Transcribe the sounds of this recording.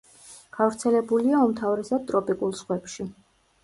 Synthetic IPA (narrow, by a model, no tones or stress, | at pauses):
ɡ̥avɾt̪sʰɛlɛbuliaumt̪ʰavɾɛsad̪̚t̪ʼɾɔpʼikʼulˠsχwɛpʃi